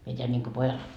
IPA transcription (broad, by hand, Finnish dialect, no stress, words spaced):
mie teæn nʲiŋko pojɑl